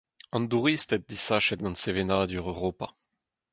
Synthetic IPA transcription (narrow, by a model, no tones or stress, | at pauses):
ɑ̃nd̪uʁiːst̪ɛt̪̚d̪isaʃɛt̪̚ɡɑ̃nsevenaːd̪yʁøʁoːpa